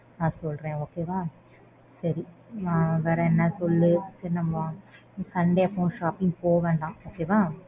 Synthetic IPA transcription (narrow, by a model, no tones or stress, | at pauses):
naːsɔlɾẽːoːkeːʋaː | sɐɾi | aʋɛːɾɐɛnːɐsɔlːɯsɐnɐmːɐ | kɐɳɖeːɐpːõːʃaːpːɪŋɡpoːʋẽːɳɖãːoːkeːʋaː